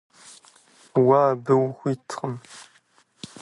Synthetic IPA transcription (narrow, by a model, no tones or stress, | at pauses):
waːbɨwxʷiːtʰχəm